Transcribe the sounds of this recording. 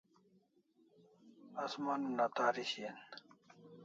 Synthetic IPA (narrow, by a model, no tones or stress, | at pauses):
ɐsmanunat̪aːɾiɕien